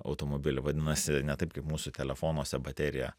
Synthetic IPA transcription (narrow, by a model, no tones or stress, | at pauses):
ɐ̰ʊt̪oːmoːbʲɪlʲɪʋɐdʲɪnɐsʲɪnʲɛt̪ɐɪpkɐɪpmuːsʊt̪ʲɛlʲɛfoːnuɔsʲɛbɐt̪ʲæːɾʲɪjɛ̰